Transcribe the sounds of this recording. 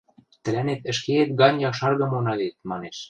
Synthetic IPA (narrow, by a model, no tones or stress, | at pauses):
t̪ə̆lænet̪ə̆ʃkeet̪ɡɑnʲjɑʃɑrɣɤ̆monɑlet̪̚mɑneʃ